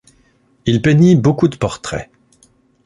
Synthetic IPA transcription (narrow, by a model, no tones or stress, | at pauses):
ilpenibokud̪əpɔʁt̪χɛ̰